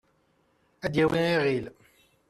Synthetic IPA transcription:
æd̪jæwiiʁil

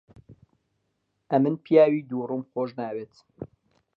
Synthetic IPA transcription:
ʔɐmɨnpʰjaːwiːd̪urumxoːʒnaːweːt̪

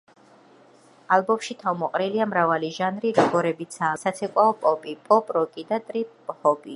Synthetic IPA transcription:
alˠbɔmʃit̪ʰavmɔqʼɾiliamɾavaliʒanɾiɾɔɡɔɾɛbit̪sʰaːsat̪sʰɛkʼwaɔpʼɔpʼipʼɔpʼɾɔkʼid̪at̪ʼɾiphɔbi

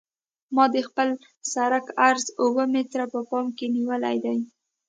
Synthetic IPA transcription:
mɑd̪əxpəl | saɾakaɾzuwəmet̪ɾapəpɑmkeniwəla̰jd̪aj

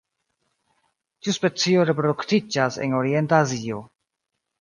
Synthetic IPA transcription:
tiuspe̞t͡sio̞ɾe̞pɾoduktid͡ʒase̞̰no̞ɾie̞ntaːzio̞

